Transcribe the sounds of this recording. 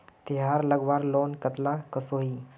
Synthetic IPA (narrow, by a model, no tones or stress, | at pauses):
t̪iɦaɾləɡʋaɾlonkət̪lakəsoɦiː